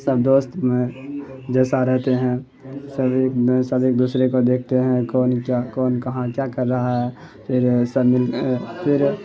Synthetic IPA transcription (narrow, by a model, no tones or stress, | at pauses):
səb̚d̪oːst̪mẽd͡ʒɛːsaɾɛɦt̪eɦɛ̃ | səbeːksəbeːk̚d̪uːsɾekod̪eːk̚ʰt̪eɦɛ̃kɔːnakɔːnkɐɦãkjakɐɾːɐɦaɦɛ | pʰɪɾsəbmɪlpʰɪɾ